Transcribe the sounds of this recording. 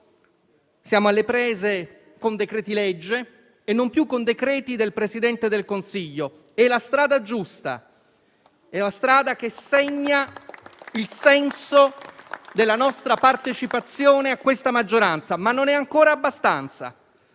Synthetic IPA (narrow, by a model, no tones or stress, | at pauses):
sjaːmoalːepɾɛːze | kond̪ekɾɛːt̪ilɛd͡ʒːeː | nːompjukːond̪ekɾɛːt̪id̪elpɾesid̪ɛnt̪ed̪elkonsiʎːo | ɛlast̪ɾaːd̪ad͡ʒust̪a̰ | ɛlast̪ɾaːd̪akeseɛɲːa | ilsɛnsod̪elːanɔst̪ɾapart̪et͡ʃipat̪sːjoːneakwest̪amad͡ʒːoɾant̪samanːonɛaŋkoːɾaːbːast̪ant̪sa̰